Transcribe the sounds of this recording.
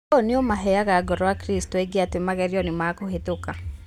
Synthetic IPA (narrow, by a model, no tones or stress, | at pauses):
oniomaɦɛjaɣaɡɔɾɔakɾistɔeɡeatemaɣɛɾjɔnɪmakohetoka